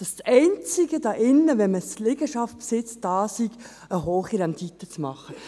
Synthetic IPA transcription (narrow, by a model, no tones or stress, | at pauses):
d̥ɑssɛɪnt͡sɪɡəd̥ɑːʔɪnːəʋɛnməslɪɡəʃɑft̚psɪt͡sd̥ɑːsiɡ | əɦoːχiɾɛndit̪ət͡smɑχːə